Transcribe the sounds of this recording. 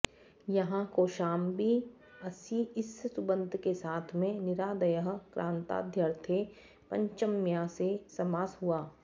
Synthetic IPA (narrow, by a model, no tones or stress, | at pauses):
jɐɦãkoːʃaːmbʱi | ɐsiɪssʊbə̃nd̪ʱkesaːt̪ʰmẽnɪɾaːd̪ɐjəɦkɾʔãːnt̪a̰ːd̪ʱjɐɾt̪ʰe | pɐ̃ɲt͡ʃəmjasesɐmaːsɦuaː